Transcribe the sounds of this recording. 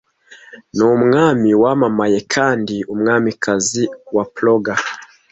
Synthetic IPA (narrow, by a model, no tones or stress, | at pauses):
nomŋamiwamamajekʰaːndiumŋamikʰaziwaploɡa